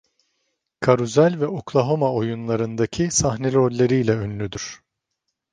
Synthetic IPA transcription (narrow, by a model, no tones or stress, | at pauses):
kʰaɾuzælʲvɛoklˠaɦo̞maojunlˠaɾɯnd̪acʰisaɦnelʲiolʲːe̞ɾijlʲɛønlʲyd̪yɾ̥